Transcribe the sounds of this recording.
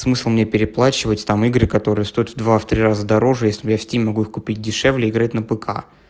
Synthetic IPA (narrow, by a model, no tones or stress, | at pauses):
smɨslˠmnʲepʲɪɾʲɪplˠat͡ɕɪvətʲt̪amɨɡɾɨkɐt̪o̞ɾɨjəst̪o̞jət̪vd̪vaft̪ɾʲirazəd̪ɐɾo̞ʐɨjesʲlʲɪbjafʲsʲtʲimʲmɐɡuixkʊpʲit̚ʲdʲɪʂɛvlʲɪːɡɾat̚ʲnəpɨkʰa̰